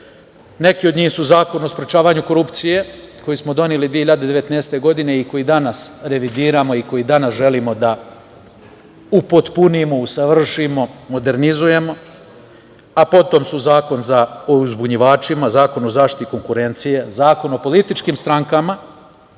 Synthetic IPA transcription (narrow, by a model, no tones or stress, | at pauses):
ne̞kiod̪ɲiːxsuzaːko̞no̞spɾe̞t͡ʃaːʋaːɲuko̞ɾupt̪sije̞ko̞jismo̞d̪o̞nelid̪ʋieçiʎad̪e̞d̪eʋet̪neːst̪e̞ɡo̞d̪ine̞iko̞jid̪anasɾe̞ʋid̪iːɾamo̞iko̞jid̪anasʒe̞limo̞d̪a | upot̪punimo̞usaʋr̩ʃimo̞mo̞d̪e̞ɾnizuje̞mo̞ | apo̞t̪o̞msuzaːko̞nzaouzbuɲiʋaːt͡ʃimazaːko̞nozaːʃt̪i̥t̪iko̞ŋkuɾe̞nt̪sije̞zaːko̞no̞po̞lit̪it͡ʃkiːmst̪ɾaŋkama